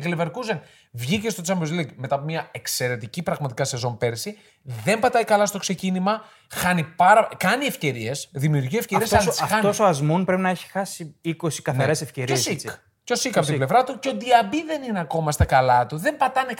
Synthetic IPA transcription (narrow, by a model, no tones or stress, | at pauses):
ɡleveɾkuzen | vʝice̞st̪o̞t͡sɐmbozliɡme̞t̪ɐpomɲɐe̞kse̞ɾe̞t̪icipɾɐɣmɐt̪ikɐse̞zo̞npe̞ɾsi | ðe̞mpɐt̪ɐjkɐlɐst̪o̞kse̞cinimɐ | xɐnipɐɾɐkɐnie̞fce̞ɾie̞sðimiuɾʝiefceɾiesɐisɐt̪o̞soɐzmunpɾe̞pinɐeçi̥xɐsiiko̞si̥kɐθɐɾe̞sefceɾiosik | co̞sikɐpot̪iblevɾɐt̪uceo̞d̪iɐbiðe̞nineɐko̞mɐst̪ɐkɐlɐt̪uðe̞mpɐt̪ɐne